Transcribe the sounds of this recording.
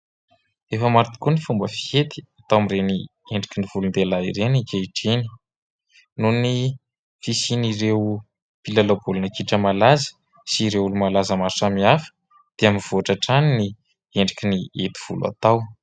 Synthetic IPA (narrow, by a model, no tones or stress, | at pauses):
efəmaɾit̪i̥kunifumbəfi̥et̪i̥at̪awmireni | eɳɖ͡ʐikʲiniv̥ulund̪elaiɾenikeiʈ͡ʂeni̥ | nuni | fisiniɾew | pilalobulunakiʈ͡ʂəmalazə̥ | siɾewulumalazəmaɾuʈ͡ʂamiafə̥ | d̪̥eamiv̥oaʈ͡ʂaʈ͡ʂanini | eɳɖ͡ʐikʲiniet̪i̥v̥ṵla̰t̪aw